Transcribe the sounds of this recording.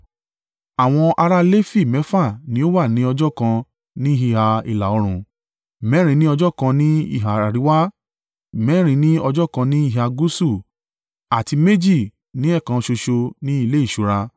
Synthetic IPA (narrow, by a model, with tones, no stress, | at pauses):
a˨w̃ɔ̃˧ʔa˧ɾa˦le˦fi˦˨mɛ˨˦fa˦˨nĩ˨˦o˦wa˦˨nĩ˨˦ɔ˧d͡ʒɔ˦kã˧ | nĩ˦i˦ɦi˧˨ha˧ḭ˨la˨ɔ˨˧ɾ̃ũ˧˨ | mɛ˨˦ɾ̃ĩ˧˦nĩ˦ɔ˧d͡ʒɔ˦kã˧nĩ˦ḭ˦˨ɦa˨ɾa˨ɾi˨˦wa˦˨ | mɛ˦ɾ̃ĩ˧˦nĩ˦ɔ˧d͡ʒɔ˦kã˧nĩ˦i˦˨ɦa˧ɡu˦su˦˨ | a˨ti˧me˦d͡ʒi˦˨ | nĩ˨˦ɛ˦˨kã˧ʃo˧ʃo˧nĩ˦i˦˧le˦i˦˨ʃu˨˦ɾa˧